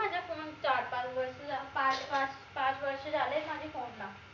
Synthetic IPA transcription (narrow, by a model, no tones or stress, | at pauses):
ad͡ʑʱjakoɽ̃ũŋt͡ɕaɾpat͡sʋəɾslapãt͡spat͡s | pãt͡sʋəɾʂəd͡zalemad͡ʑʱifonla